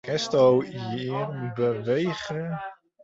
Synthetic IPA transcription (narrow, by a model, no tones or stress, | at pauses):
kɛstowjirbəʋejχə